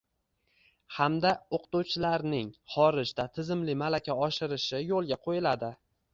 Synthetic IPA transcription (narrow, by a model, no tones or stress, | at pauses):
hamd̪aoqt̪uwt͡ʃʰɪlaɾnɪŋχɒɾɪʒd̪at̪ʰɪzɪmlɪmalakʲaɒʃɪɾɪʃɪjolˠɡʲaqʰojɪlad̪ɪ